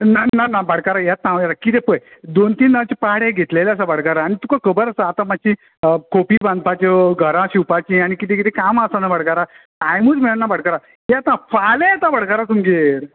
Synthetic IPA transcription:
nananabəɽ̤kaɾajat̪̚nãjaɾakit̪epəjd̪ont̪iːnːaʋt͡ɕepaaɽeɡʱet̪leleas̬abəɽ̤kaɾaːɽ̃it̪ukakəbəɾasaːt̪amat͡ɕĩ | kʰopiːbãnd̪̚pat͡ɕɔɡʱəɾãɕiwpat͡ɕĩaɽ̃ikit̪ẽkit̪ekamasanːabəɽkaɾa | tajmuːt͡smiɭanːabəɽkaɾa | jat̪nafalẽt̪ãbəɽ̤kaɾat̪umɡeɾ

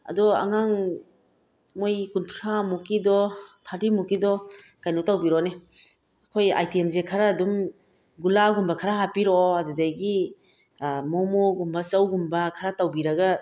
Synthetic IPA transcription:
ɐ̰dɔa̰ŋaŋ | mojkuntʰɾamukidɔtʰaɾimukidɔkajnutawbiɾɔne | ɐkʰoja̰jtiemzekʰaɾaːdum | ɡulaɡumbakʰaɾaɦapiɾɔadudajɡi | mɔmoɡumbɐsawɡumbɐkʰaɾatawbiɾɐɡa

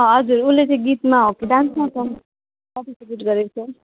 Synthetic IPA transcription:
ʌ̃ɦʌd͡zuɾulet͡sʌ̃j̃ɡit̪maɦokiɖãnsmat̪ʌ | ʌʈ̪iseɡiʈɡʌɾekt͡sʰʌ

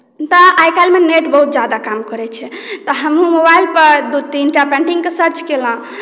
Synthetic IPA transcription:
t̪ɔajkalmeneʈbəɦut̪̚d͡ʒad̪akamkəɾɛt͡ʃʰɛt̪ɔɦəmumobajlpəɾd̪ut̪inʈapɛ̃ɳʈĩŋɡkesəɾt͡ʃkelə̃

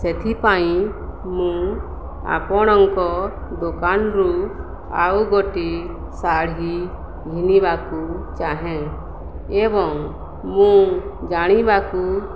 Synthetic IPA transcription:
set̪ʰipaĩ | mũ | a̰pɔɽ̃ɔŋkɔ | d̪okanɾu | a̰uɡoʈi | saɽɦi | d͡ʒʱinibakut͡ʃaɦɛ̃ | ebɔŋ | mũd͡ʒaɽ̃ibaku

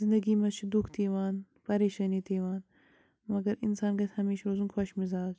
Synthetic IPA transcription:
zɪnd̪ɐɡiːmɐt͡ʃʰid̪ukʰt̪ʰiːʋaːn | pɐɾeːʃɐniːt̪eːʋaːn | mɐɡɐɾɪnsaːnɡɐt̪hɐmeːʃɾoːzunxʰɐʃmizaːz

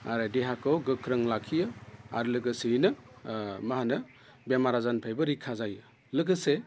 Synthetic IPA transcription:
a̰ɾedeɦakʰɯwɡɯkʰɾɯŋlakʰijɯa̰ɾlɯɡɯsiinɯ | maɦanɯ | bamaɾazanpʰajbɐɾikʰːazajɯ | lɯɡɯse

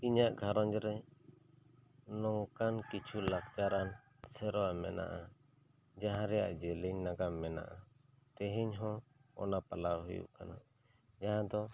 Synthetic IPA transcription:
iɲaʔɡʱaɾɔɲd͡ʒɾɛ | nɔŋkankit͡ʃʰulak̚t͡ʃaɾan | sɛɾɔwamɛ̰na̰ʔa | d͡ʒaɦãɾɛja̰ʔd͡ʒɛliɲnaɡamɛna̰ʔa | t̪ɛɦiɲɦɔ̃ɔ̰napalawɦujṵʔkana | d͡ʒaɦãd̪ɔ

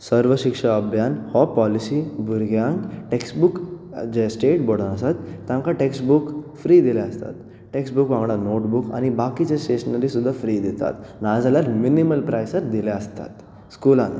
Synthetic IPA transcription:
səɾʋəʃikʂɐːbʱjaːnhɔpɔlisibʱuɾɡjaŋɡʈeksʈbuk | d͡ʑesʈeːʈbɔɽənasat̪ːãŋkaʈeksʈbukfɾiːd̪ileɐst̪a̰t̪ | ʈeksʈbukʋãŋɡɽanoːʈbuka̰nibaːkit͡ɕesʈeːʃənɐɾisud̪ʱːafɾiːd̪it̪a̰t̪nad͡zalaɾminiməlpɾajsəɾd̪ileəst̪a̰t̪ | skuːlan

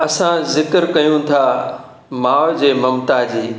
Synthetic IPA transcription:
ɐsãzɪkəɾkɐjũt̪ʰaː | maːʋd͡ʑeːmɐmt̪ad͡ʑiː

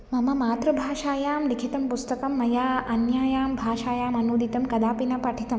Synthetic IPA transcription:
mɐmɐmaːt̪ɾɐbʱaːʃaːjaːmnikʰit̪ɐmpust̪ɐkɐmːɐjaːɐnjaːjaːmbʱaːʃaːjaːmɐnuːd̪ʱit̪ɐmkɐd̪aːpinɐpɐʈʰit̪ɐm

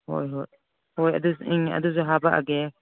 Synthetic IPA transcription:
ho̰jɦoj | hojɐ̰d̪uiŋɐ̰d̪uzɔɦabaʔa̰ɡe

